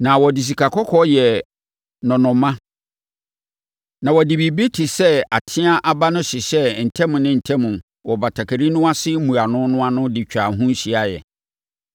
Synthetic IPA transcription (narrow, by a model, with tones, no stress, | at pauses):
nã˨wɔ˨di˨s̬i˨kʰa˨kʰɔ˦kʰɔ˦jɛ˨ | nɔ̃˨nʊ̃˨mːã˦ | nã˨wɔ˨dɪ˨bi˨bi˦tʰi˨sɛ˦a˨tʰɪ̃˦a˦ʔa˨ba˦nʊ̃˦ɕɪ˨ɕɛ˦n̩˨tʰɛ̃˦mʊ̃˨nɪ̃˦n̩˨tʰɛ̃˦mũ˨n | wɔ˨ba˨tʰa˨kʰa˨ɾi˦nʊ̃˦a˦sɪ˦mũ˨a˨nʊ̃˦nʊ̃˦a˦nʊ̃˦dɪ˨t͡ɕᶣa˨ɦʊ̃˦n̩˦ɕi˦a˦jɛ̰˨